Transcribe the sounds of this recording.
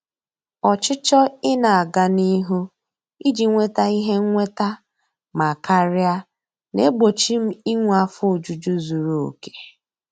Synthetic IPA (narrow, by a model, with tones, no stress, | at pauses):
ɔ˨t͡ʃɪ˦t͡ʃɔ˦ɪ˦na˨a˨ɡa˦ni˦ɦu˦ | i˦d͡ʒi˨ŋʷe˦ta˦i˦ɦe˦ŋ̩˦ŋʷe˦ta˦ | ma˨ka˦ɾɪ˦a˦ | ne˦ɡ͡bo˨t͡ʃi˦m̩˦i˦ŋʷ˨˦a˦fʊ˦˨d͡ʒu˨d͡ʒu˦zu˨ɾu˨o̰˨ke̥˨